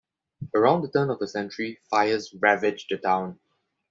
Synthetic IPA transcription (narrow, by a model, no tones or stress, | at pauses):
əɹãʊ̃ndətə̃nɔvəsɛ̃nt͡ʃəɹifaɪəzɹævɪd͡ʒdətʰãʊ̃n